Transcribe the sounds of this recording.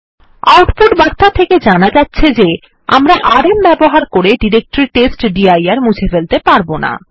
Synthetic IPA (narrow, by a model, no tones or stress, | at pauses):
awʈpoʈbaɾt̪at̪ʰeked͡ʑanad͡ʑatːɕʰed͡ʑe | a̰mɾaʔaɾembɛboɦaɾkoɾeɖiɾek̚ʈɾiʈesʈɖiajaɾmud͡ʑʰefelt̪epaɾbona̰